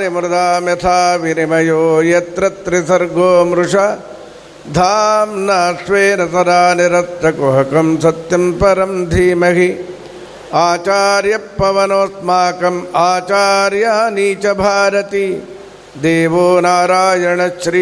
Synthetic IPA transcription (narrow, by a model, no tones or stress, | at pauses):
ɾimɾud̪aːmjɐt̪ʰaːʋinimɐjoːjɐt̪ɾɐt̪ɾisɐɾɡʱoːmɾuʂa | d̪ʱaːmnasʋeːnɐsɐd̪aːniɾɐsɾɐkoɦɐkɐmsɐt̪jɐmpɐɾɐmd̪ʱiːmɐɦi | aːt͡ʃaːɾjɐpːɐʋɐnoːsmaːkɐmaːt͡ʃaːɾjɐɦɐniːt͡ʃɐbʱaːɾɐt̪i | d̪eːʋoːnaːɾaːjɐɳɐʃɾi